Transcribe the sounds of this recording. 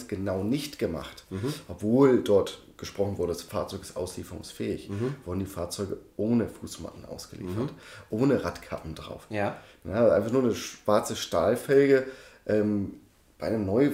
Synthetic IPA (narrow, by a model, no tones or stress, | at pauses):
sɡ̥ənaʊnɪçtɡ̥əma̰χtʔɔpv̥oːldɔɐt | ɡ̥əʃpʁ̥ɔχn̩vʊɐdəasfaːɐt͡sɔʏkɪ̥sʔa̰ʊsliːfəʁʊ̰ŋsfɛːɪçv̥ʊɐdn̩diːfaːɐt͡sɔʏɡəʔoːnəfuːsma̰tn̩ʔa̰ʊsɡ̥əlḭːfɐtʔoːnəʁatkʰa̰pm̩dʁa̰ʊfəaʔaɪnfaχnuːɐnəʃv̥aɐt͡səʃtaːlfɛlɡəʔɛːm | b̥aɪʔɪnəmnɔʏ